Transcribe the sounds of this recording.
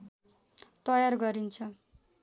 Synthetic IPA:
t̪ʌjarɡʌɾint͡sʰʌ

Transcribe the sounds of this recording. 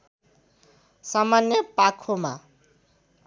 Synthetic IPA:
samanjʌpakʰoma̰

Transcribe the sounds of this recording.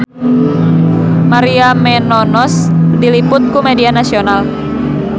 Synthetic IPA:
maɾiamɛnɔnɔsdilipʊt̪̚kumedianasional

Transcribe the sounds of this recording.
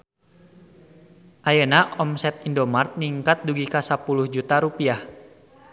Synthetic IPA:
ʔajənaɔmsɛt̪̚indomart̪̚niŋkat̪̚duɡikasapuluhd͡ʒut̪aɾupiah

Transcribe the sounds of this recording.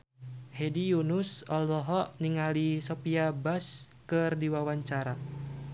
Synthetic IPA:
hedijunusɔlɔɦɔʔniŋalisɔpiabaskɨrdiwawaɲt͡ʃaɾa

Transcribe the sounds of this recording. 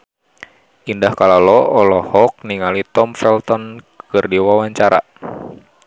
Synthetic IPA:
ʔindahkalalɔɔlɔhɔk̚niŋalit̪ɔmfɛlt̪ɔn | kɨrdiwawaɲt͡ʃaɾa̰

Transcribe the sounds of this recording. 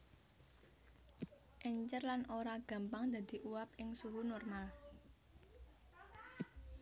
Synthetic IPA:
ʔɛɲt͡ʃərlanʔoɾaɡ̥a̤mpaŋd̪a̤d̪̥i̤ʔuwap̚ɪŋsuɦunɔrmal

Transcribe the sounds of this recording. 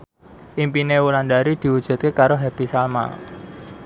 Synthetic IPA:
ʔimpinewulandaɾid̪̥i̤wud̥ʒ̥ṳt̪̚kekaɾoɦɛb̥isalma̰

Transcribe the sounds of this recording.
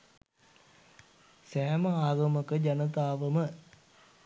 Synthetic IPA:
sæːməaːɡɐməkəd͡ʒɐnət̪aːʋəmə

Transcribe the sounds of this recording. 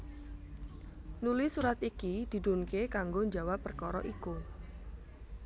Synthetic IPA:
nulisuɾat̪ikid̪̥i̤d̪onkekaŋɡoɲd͡ʒawapːərkɔɾɔʔiku

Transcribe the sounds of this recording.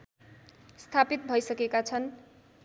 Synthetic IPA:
st̪ʰapit̪̚bʱʌjsʌkekat͡sʰʌn

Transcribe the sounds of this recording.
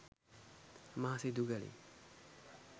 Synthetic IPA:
maːsid̪uɡɛlḭ

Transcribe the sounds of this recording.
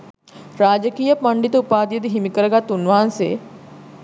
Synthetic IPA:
ɾaːd͡ʒəkiːjəpɐɳɖit̪ɐupaːd̪ijəd̪iɦimikəɾəɡat̪unʋaɦansḛː

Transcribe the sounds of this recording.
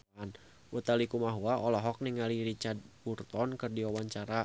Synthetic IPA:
n | ʔut̪alikumaɦuaʔɔlɔɦɔk̚niŋaliɾit͡ʃad̪̚burt̪ɔnkɨrdiawaɲt͡ʃaɾa

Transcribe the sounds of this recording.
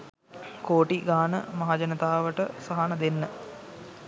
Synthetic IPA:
koːʈiɡaːnəmɐɦad͡ʒənət̪aːʋəʈəsaɦanəd̪enːə

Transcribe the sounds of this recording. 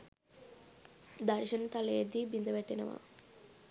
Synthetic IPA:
d̪ɐɾʃɐnt̪ɐlejed̪ibind̪ɐʋeʈːinɐ̰ʋa̰

